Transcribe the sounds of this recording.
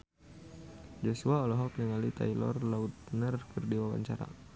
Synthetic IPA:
d͡ʒɔsuaɔlɔɦɔk̚nəŋalit̪a̰ilɔ̰rlaut̪̚ənərkərdiwawa̰ɲt͡ʃaɾa̰

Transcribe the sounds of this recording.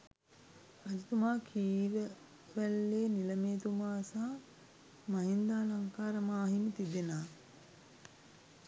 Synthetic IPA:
ɐd͡ʒit̪umaːkʰiːʋə | ʋælːeːniləmeːt̪umaːsa | maɦind̪aːlaŋkaːɾəmaːɦimət̪id̪enaː

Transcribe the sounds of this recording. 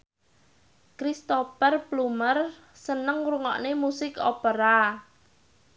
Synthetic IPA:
kɾist̪opərplumər | sənəŋɾuŋɔ̰ʔnemusɪko̰pəɾa

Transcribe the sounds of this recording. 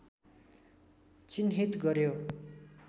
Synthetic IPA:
t͡sinɦit̪ɡʌɾjo

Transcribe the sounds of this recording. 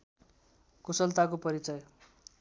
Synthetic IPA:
kosʌlt̪akopʌɾit͡sʌj

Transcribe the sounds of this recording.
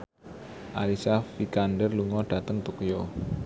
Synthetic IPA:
ʔalisafikanɖərluŋɔɖ̥a̤t̪əŋt̪okjo

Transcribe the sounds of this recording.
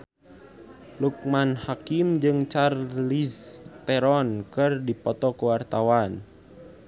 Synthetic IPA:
luk̚manhakimd͡ʒɨŋt͡ʃarlist̪ɛɾɔnkɨrdipɔt̪ɔkəwart̪awan

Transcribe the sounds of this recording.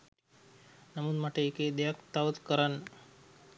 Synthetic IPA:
nɐmud̪maʈeːked̪ejakt̪aʋət̪kəɾan

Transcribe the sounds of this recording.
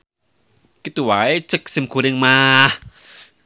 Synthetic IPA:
kit̪uwajt͡səksimkʰuɾeŋma

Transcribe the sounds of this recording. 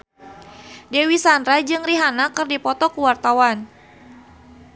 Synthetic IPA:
dewisandɾad͡ʒɨŋriɦanakɨrdipɔt̪ɔkuwart̪awan

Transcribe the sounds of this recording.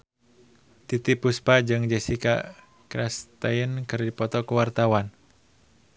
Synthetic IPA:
t̪it̪ipuspad͡ʒɨŋd͡ʒɛsika̰ | kɾast̪ajənkɨrdipɔt̪ɔkuwart̪awan

